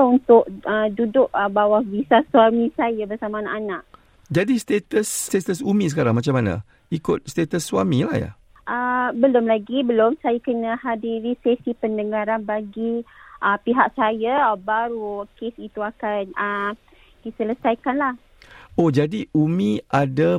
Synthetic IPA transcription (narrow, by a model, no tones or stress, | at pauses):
unt̪ʊʔ̚ədudʊʔəbawahvisasuwamĩsajabərsamaːnaʔanaʔ | d͡ʒadist̪et̪əst̪et̪əsumĩsəkaɾaŋmat͡ʃamanã̰ | ikʊt̪̚st̪et̪əsːwamila̰hja̰ | ʔəbəlʊmlaɡibəlʊmsajakənəɦadiɾisesipəndəŋaɾanbaɡiʔəpiɦaʔ̚sajabaɾukesit̪uakanə | ɡisələsajkanlah | od͡ʒadiʔumĩʔada